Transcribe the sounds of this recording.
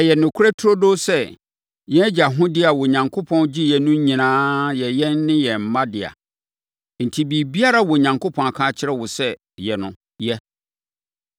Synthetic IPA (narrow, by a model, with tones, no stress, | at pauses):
ɛ˨jɛ˨nʊ̃˨kʰɾɛ˦tʰɾo˦do˦sɛ˦ | jɛ̃˦d͡ʑa˨ɦʊ̃˦dɪ˦a˨wɔ˨ɲã˨ŋkʰo˦pʰɔ̃˦nd͡ʑi˦jɛ˨nʊ̃˦ɲĩ˨nãː˦jɛ˨jɛ˦n˦nɪ̃˦jɛ˨m̩˨mã˦dɪ˨a̰˨ | n̩˨tʰi˨bi˨bi˦a˦ɾa˦wɔ˨ɲã˨ŋkʰo˦pʰɔ̃˨na˨kʰã˦t͡ɕʰɪ˦ɾɛ˦wʊ˨sɛ˦ | jɛ˨nʊ̃˨ | jɛ˦